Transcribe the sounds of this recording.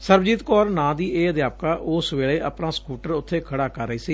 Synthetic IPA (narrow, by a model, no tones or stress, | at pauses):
səɾbd͡ʒiːt̪kɔːɾnãːd̪iːeːəd̪jaːpkaːʔoːsʋeːleːʔəpnaːskuːʈəɾʊt̪ʰːeːkʰəɽaːkəɾːəiːsiː